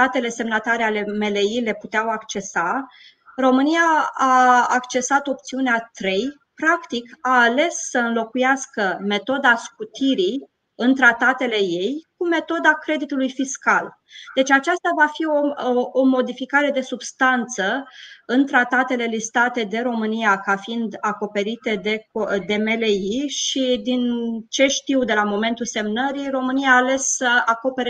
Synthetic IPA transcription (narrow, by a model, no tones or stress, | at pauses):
at̪e̞le̞se̞mnat̪aɾeale̞me̞le̞ile̞put̪eawakt͡ʃe̞sa | ro̞mɨnijaaːkt͡ʃe̞sat̪o̞p̚t̪siuneat̪ɾe̞j | pɾakt̪ikaːle̞ssəɨnlo̞kujaskəme̞t̪o̞d̪askut̪iɾi | ɨnt̪ɾat̪at̪e̞le̞je̞jkume̞t̪o̞d̪akɾe̞d̪it̪ulujfiskal | d̪̥e̞t͡ʃʲat͡ʃast̪avafio̞ːmo̞d̪ifikaɾe̞d̪e̞subst̪ant̪səɨnt̪ɾat̪at̪e̞le̞list̪at̪e̞d̪e̞ɾo̞mɨnijakafiind̪ako̞pe̞ɾit̪e̞d̪e̞kd̪e̞me̞leiʃid̪int͡ʃe̞ʃt̪iwd̪e̞lamo̞me̞nt̪ulse̞mnəɾiro̞mɨnijaːle̞ssəako̞pe̞ɾe